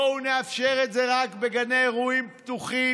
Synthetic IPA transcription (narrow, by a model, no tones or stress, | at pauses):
ouneafʃeʁetzeʁakbeɡanejʁuimpt̪uχi